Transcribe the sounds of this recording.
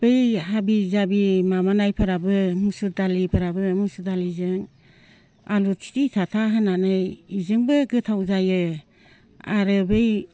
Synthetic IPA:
b̥ɯjhabizabimamanajpʰaɾabɯmusudalipʰaɾabɯmusudalizɯŋ | alusʰi̥titʰatʰaɦɯnanɯjizɯŋbɯɡɯtʰawzajɯ | aɾɯbɯj

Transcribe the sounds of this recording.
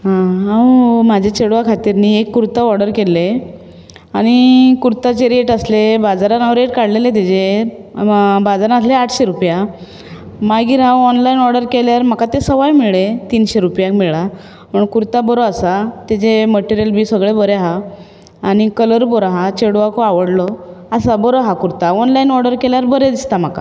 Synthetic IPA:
ɦãɦãwmad͡ʑʱet͡ɕeɽʋakʰat̪iːɾniekːuɾt̪aɔɾɽəɾkelːe | aɽ̃ikuɾt̪at͡ɕeɾeʈəslebad͡zaɾanãʋɾeʈkaɽlelet̪̬ed͡ʑe | bad͡zaɾanasleaʈʰɕeɾupja | maɡiːɾɦãwɔnlainɔɾɽəɾkeljaɾm̤əkat̪esəʋajmiɭet̪iːnɕeɾupjãkmiɭa | məɳkuɾt̪abəɾoasat̪ed͡ʑeməʈiɾijəlbiːsəɡɭebəɾeɦaː | ɽ̃ikələɾbɔɾaɦat͡ɕeɽʋakoaʋəɽlɔasabəɾoɦakuɾt̪aɔnlainɔɾɖəɾkeljaɾbəɾed̪ist̪am̤aka̰

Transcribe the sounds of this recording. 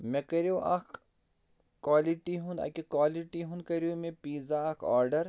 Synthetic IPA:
mẽkɐɾijuʔɐ̰k | kwaːliʈiɦũnd̪ɐ̰kikwaːliʈiɦũnkɐɾiumẽpiːzaɐkʰa̰ːɾɖəɾ

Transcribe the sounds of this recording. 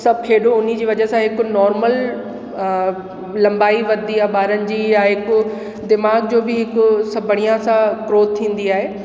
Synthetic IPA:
sɐb̚kʰeːɗoʊnid͡ʑiːʋɐd͡ʑəɦsãɦɪkʊnɔːɾməl | lɐ̃mbaːiʋɐd̪ʱiaːɦɓaːɾənɪ̆d͡ʑiːjaɦɪkʊ | d̪ɪmaːɡd͡ʑoːbɪɦɪkʊsɐbʱəɽ̃ijãsãkɾoːt̪ʰĩːn̆d̪iaːɦeː

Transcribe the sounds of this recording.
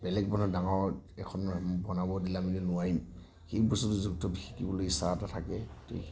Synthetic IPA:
bɛlɛɡ̚bɔnɔdaŋɔɹɛkʰɔnbɔnabɔdilamilɛnʊwaɹim | xejbɔsutuzuk̚tɔbixʰi̥kibɔlojsa̰atatʰakɛto̰

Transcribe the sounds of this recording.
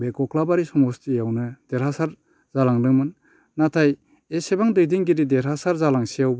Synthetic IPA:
bekɔkʰlabaɾisɔŋɔstijawnɯd̥eɾhasaɾ | zalaŋdɯŋmɯnː | atʰaj | esebaŋdɯjdiŋɡiɾideɾɦasaɾzalaŋsijawb

